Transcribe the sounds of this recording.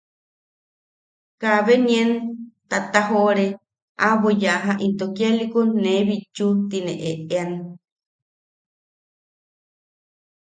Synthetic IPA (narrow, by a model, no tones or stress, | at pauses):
kaβeɲent̪at̪aɦoɾe | ʔaβojaɦaʔint̪okjalikonẽβit͡ʃut̪inẽʔeʔean